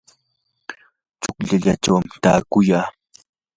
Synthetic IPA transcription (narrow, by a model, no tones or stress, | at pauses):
t͡ʃʊkʎaʎaʈ͡ʂawamt̪aːkʊjaː